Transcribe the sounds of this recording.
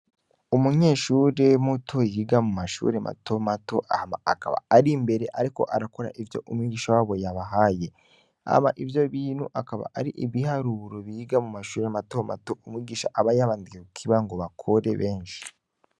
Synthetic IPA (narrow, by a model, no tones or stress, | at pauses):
umuɲe̞ːʃuːɾe̞mutʰo̞jiɡamumaʃṵɾemʔa̰to̞mato̞ʔahamaaka̰βa̰ːɾimbe̞ɾeʔaɾiko̞̰ʔaɾako̞ɾa̰ʔivjo̞̰ʔumwiːɡiːʃawaːβo̞jaβaɦaje̞ | a̰hmaʔivjo̞βiːnhuʔakaβa̰ʔaɾiʔiβihaɾuɾoβiiɡamumaʃuːɾematoma̰to̞umwiːɡiːʃaʔaβajaβaːndikekukʰiβaŋɡo̞βakʰoɾe̞βe̞ːnʃi̥